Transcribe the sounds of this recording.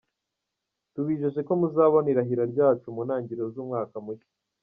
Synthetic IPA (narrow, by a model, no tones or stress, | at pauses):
tuβiːʒeʒe̞ko̞muzaːβoniɾaɦiɾaɾɟaːt͡ʃumunaːɲɟiɾozuːmŋaːkamut͡ʃe̥